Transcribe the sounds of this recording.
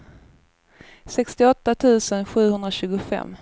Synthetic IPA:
sɛkst̪ɪɔt̪ːat̪ʰʉ̟ːsənɧʉ̟ːhɵnd̪ɾaɕʉ̟ːɡʊfɛ̰mː

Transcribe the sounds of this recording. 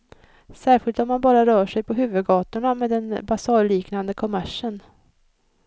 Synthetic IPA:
sæːɾɧɪlt̪ɔmːanbɑːɾaɾœːʂɛjpʰɔɦʉ̟ːvɵd̪ɡɑːt̪ʊɳameːd̪ɛnbasɑːliːknand̪əkʰɔmæʂən

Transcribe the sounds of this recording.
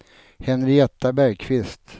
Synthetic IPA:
hɛnɾɪɛt̪ːabæɾkʰvɪst̪

